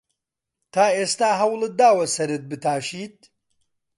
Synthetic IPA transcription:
t̪ʰaːeːst̪aːɦɐwlˠɨd̪aːwɐsɐɾɨt̪̚bɨt̪ʰaːʃiːt̪̚

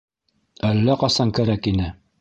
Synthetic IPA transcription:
ælːæqɑsɑŋkæɾækinɘ

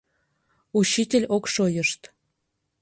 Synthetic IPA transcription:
ut͡ɕːitʲelʲokʃojəʃt̪

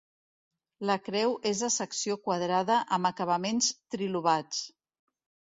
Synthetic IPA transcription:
ləkɾɛwʔezðəsəksiokwəðɾaðəʔəməkəβ̞əmenst̪ɾiluβ̞at͡s

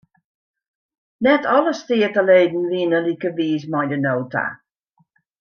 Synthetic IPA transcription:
nɛtʰɔləstɪːətəleːdn̩ʋiənəlikəʋiːs̬mɔjdənoːtʰa̰

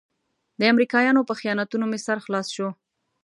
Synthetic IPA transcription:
d̪əamɾikɑjɑnopəxijɑnat̪unomɪsaɾxlɑsʃo

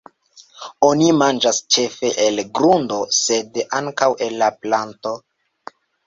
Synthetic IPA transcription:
onimand͡ʒast͡ʃe̞fe̞ʔelɡɾundo̞se̞daŋkawe̞lːaplanto̞

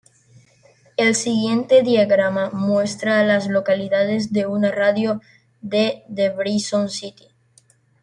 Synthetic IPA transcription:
e̞lsiɣje̞nt̪eðjaɣɾamamwe̞st̪ɾaːlazlo̞kaliðaðe̞zðe̞unaraðjo | ðeðeβɾisonsit̪i̥

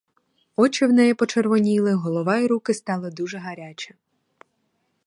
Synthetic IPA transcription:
ɔt͡ʃɪwnɛjɛpɔt͡ʃerʋɔnʲilˠɪɦɔlˠɔʋɑiɾukɪst̪ɑlˠɪd̪uʒɛɦɐɾʲat͡ʃɐ

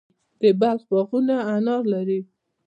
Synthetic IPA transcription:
d̪̥əbalxbaɣunaːnɑɾlaɾi

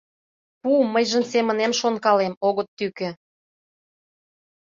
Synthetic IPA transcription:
puməjʒə̆msemə̆nemʃonkɑlemoɣɤ̆t̪ːykĕ

